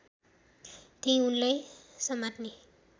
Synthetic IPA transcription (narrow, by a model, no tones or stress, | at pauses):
t̪ẽĩunlajsʌmat̪ne